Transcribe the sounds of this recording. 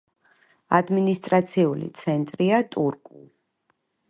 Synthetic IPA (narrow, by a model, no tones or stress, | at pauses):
ad̪minist̪ʼɾat̪sʰiulḭt̪sʰɛnt̪ʼɾiat̪ʼuɾkʼu